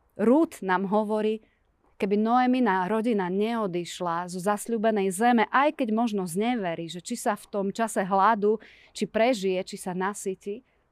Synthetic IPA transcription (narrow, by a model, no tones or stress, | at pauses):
ɾuːt̪naːmɦɔʋɔɾiː | kɛbinɔɛminaɾɔɟinaɲɛɔd̪iʃlazɔzasʎuːbɛnɛjzɛmɛʔajkɛɟmɔʒnɔzɲɛʋɛɾiːʒɛt͡ʃisaft̪ɔmt͡ʃasɛɦlad̪uː | t͡ʃipɾɛʒijɛt͡ʃisanasici